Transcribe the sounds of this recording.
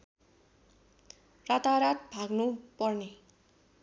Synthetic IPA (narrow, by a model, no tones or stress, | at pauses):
rat̪aɾat̪̚bʱaɡnupʌrne